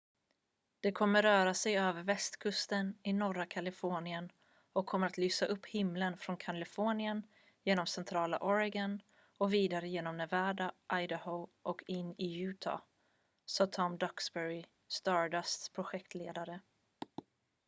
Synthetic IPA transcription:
d̪̥ɛkʰɔmːəɾœːɾasɛjøːvəɾvɛst̪kʰɵst̪ənɪnɔɾakʰalɪfoːɳɪən | ɔkʰːɔmːəɾat̪lyːsaʔɵpːhɪmlənfɾɔnkʰalɪfoːɳɪən | jeːnɔmsɛnt̪ʰɾɑːla̰ʔɔɾaɡan | ɔviːd̪aɾəjeːnɔmnɛvæːɖaʔajd̪əhoʔɔkʰɪnːɪjʉ̟ːt̪ʰɑ̰ | sɑːt̪ʰɔmd̪ɔksbɛɾɪ | st̪ɑːɖasspʰɾʊɧɛkt̪lḛːd̪aɾə

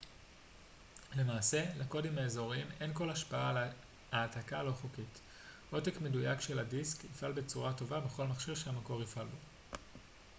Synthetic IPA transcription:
le̞maːse̞lako̞dimaezo̞ʁimenko̞laʃpaale | haːtakalo̞χokit | o̞tekme̞dujakʃe̞ladiskifʔalbet͡suʁato̞vabe̞χo̞lmaχʃiʁʃeamako̞ʁifʔalbo̞

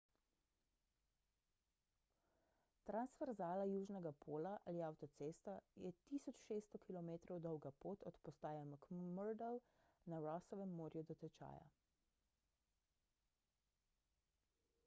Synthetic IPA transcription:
t̪ɾansfɛɾzaːlajuːʒnɛɡapʰoːlaʔaliawt̪ɔt̪seːst̪ajɛt̪iːsɔt͡ʃʃeːst̪ɔkilɔmeːt̪ɾɔwd̪ɔwɡapoːt̪ɔt̪pɔst̪aːjamɔkmɔɾd̪ɛl | naɾɔsɔʋɛmːoːɾjud̪ɔt̪ɛt͡ʃa̰ːja̰

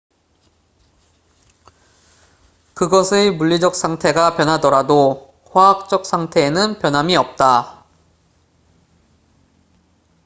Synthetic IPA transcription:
kɯɡʌsʰemuʎːid͡ʑʌk̚s͈ʰaŋtʰe̞ɡapjʌnɦadʌɾado | ɸwaɦak̚t͡ɕ͈ʌk̚s͈ʰaŋtʰe̞ːnɯnpjʌnɦamiʌp̚t͈a

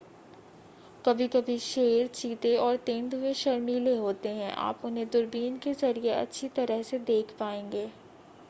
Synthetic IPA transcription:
kɐbʱikɐbʱiʃeːɾt͡ʃiːt̪eɔːɾt̪ẽːnd̪mẽʃɐɾmiːleɦoːt̪eɦɛ̃ʔa̰ːpʊnɦẽd̪ʊɾbiːnkezɐɾieɐ̰tːʃʰit̪ɐɾəɦsed̪eːkʰpaːẽːŋɡeː

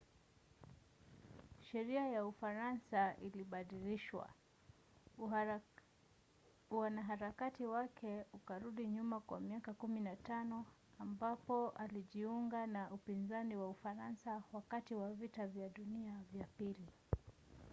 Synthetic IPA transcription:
ʃɛɾiajaufaɾansaʔiliɓaɗiliʃwa̰ | wanaɦaɾakatiwakʰɛukaɾuɗiɲumakwa̰miakakuminatanɔ | ambapɔʔaliʄiuŋɡanaʔupinzaniwaufaɾansawakatiwavitavjaɗuniavjapili

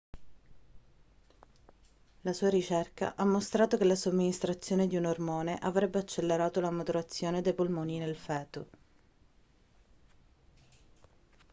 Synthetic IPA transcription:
lasuːaɾit͡ʃerka̰ʔamːost̪ɾaːt̪okelasomːinist̪ɾat̪sːjoːned̪iunormoːneʔavɾɛbːeat͡ʃːelːeɾaːt̪olamot̪uɾat̪sːjoːned̪ejpolmɔːninelfɛːt̪o

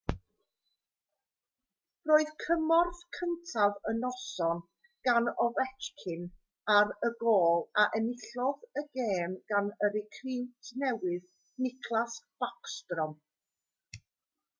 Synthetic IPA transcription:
roːɨðkʰəmɔrθkʰəntʰavənɔsɔn | ɡ̥anɔvɛt͡ʃkʰɪn | aɾəɡoːlˠaʔənɪɬɔðəɡeːmɡ̥anəɾɪkʰriːmtʰnɛwɨð | nɪkʰlˠasb̥akstrɔm

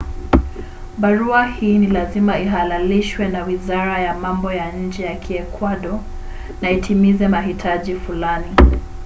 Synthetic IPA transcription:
ɓaɾuahiːnilazimaiɦalaliʃwɛnawizaɾajamambɔjaɲ̩d͡ʒɛjakʰiɛkwaɗɔ | naitʰimizɛmaɦitʰaʄifulani

